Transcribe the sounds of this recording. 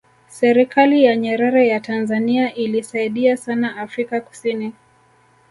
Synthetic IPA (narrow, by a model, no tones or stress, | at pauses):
sɛɾikʰalijaɲɛɾaɾɛjatanzaniaʔilisaiɗiasanaːfɾikaku̥sini